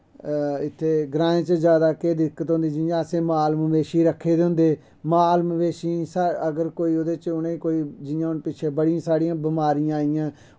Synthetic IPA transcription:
ɪt̪ʰːeːɡɾãːẽːt͡ʃd͡ʒjaːd̪aːkeːd̪ɪkːət̪ɦõːnd̪iːd͡ʒɪjãːəsẽːmaːlməʋeːʃiːɾəkʰːeːd̪eʊ̃nd̪eː | maːlməʋeːʃiːsaəɡəɾkoːiːoːd̪eːt͡ʃʊnẽːkoːiːd͡ʒɪjãːʊnpɪt͡ʃʰeːbəɽiãːsaːɽiãːbɪmaːɾijãːaːɪjãː

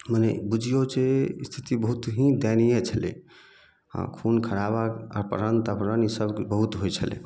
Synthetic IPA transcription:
mənebud͡ʒʱijot͡ʃest̪ʰi̥t̪ibəɦut̪ɦĩd̪anijet͡ʃʰəlḛ | ã̰kʰunkʰəɾaβaaɾpəɾənt̪apəɾənisəbkbəɦut̪ɦojt͡ʃʰəlḛ

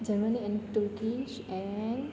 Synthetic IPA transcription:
d͡ʒəɾməniɛ̃nʈuɾkiʃɛ̃n

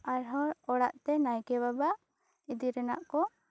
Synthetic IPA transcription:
aɾɦɔɔɽaʔt̪ɛnajkɛβabaʔ | id̪iɾɛna̰ʔkɔ

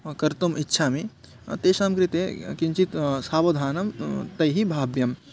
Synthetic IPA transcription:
kɐɾt̪umɪtːʃʰaːmi | t̪eːʃamkɾit̪ekint͡ʃit̪saːʋɐd̪ʱaːnɐmt̪ɐjɦibʱaːbjɐm

